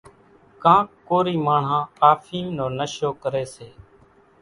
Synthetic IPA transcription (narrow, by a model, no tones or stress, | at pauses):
kãːkːoːɾiːmaːɳ̤ãːaːfʰiːmnoːnəʃoːkəɾeːseː